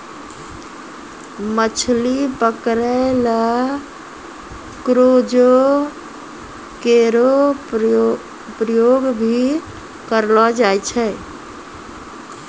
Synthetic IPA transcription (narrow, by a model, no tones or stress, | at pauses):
mət͡ʃʰlipəkɾəɪla | kɾod͡ʒo | keɾo | pɾəjoɡbʱi | kəɾlɔd͡ʒajt͡ʃʰɛ